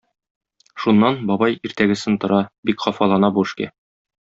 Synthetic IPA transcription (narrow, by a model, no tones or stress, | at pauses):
ʃunːɑnbɒbɑjiɾt̪æɡɘ̆sɘnt̪ŏɾɑbikχɒfɑlˠɑnɑbuɘ̆ʃkæ̰